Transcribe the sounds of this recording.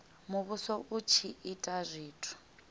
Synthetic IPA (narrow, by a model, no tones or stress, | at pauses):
muβusɔʔut͡ʃʰiitʼazʷiːtʰu̥